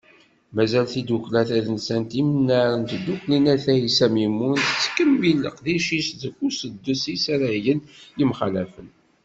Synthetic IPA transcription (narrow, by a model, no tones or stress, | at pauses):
mæzælθid̪uklæθæðənsænt̪imənːaɾənt̪d̪uklinæθæjisæmimunθt͡sːkəmːilə̰qðiʃisðəkːusəd̪ːusisɾəjənjimχalæfən